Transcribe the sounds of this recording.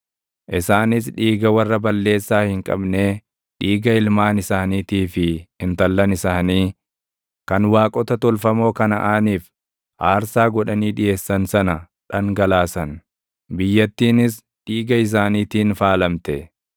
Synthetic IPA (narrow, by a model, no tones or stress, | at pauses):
ʔɪsaːnɪs̬ᶑiːɡɐwɐrːɐbɐlːe̞ːsːaːhɪŋkʼɐ̰bne̞ː | ᶑiːɡɐɪlmaːnɪsaːniːt̪iːfɪɪnt̪ɐlːɐnɪsaːniː | kɐnwaːkʼɔt̪ɐt̪ɔlfɐmo̞ːkɐnɐʔaːniːf | haːɾsaːɡɔᶑɐniːᶑɪje̞ːsːɐnsɐnɐ | ᶑɐŋɡɐlaːsɐn | bɪjːɐt̪ːiːnɪs | ᶑiːɡɐɪs̬aːniːt̪iːnfaːlɐmt̪ɛ